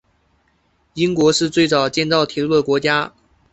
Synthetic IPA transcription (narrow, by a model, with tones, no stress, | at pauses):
i˥ŋkwɔ˧˥ʂɻ̩˥˧t͡swe˥˩ɪt͡sɑ˨˩ʊt͡ɕjɛ˥˧nt͡sɑ˥˩ʊt̪ʰi˧˥lu˥˩d̪ə˩kwɔ˧˥t͡ɕja˥